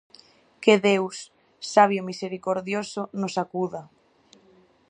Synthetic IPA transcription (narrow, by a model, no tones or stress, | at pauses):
keðewsː | aβjomiseɾikoɾðjosʊnʊsakuða